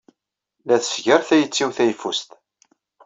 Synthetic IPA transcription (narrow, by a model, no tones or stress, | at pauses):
læθsʝəɾθæjət͡sːiwθæjfust̪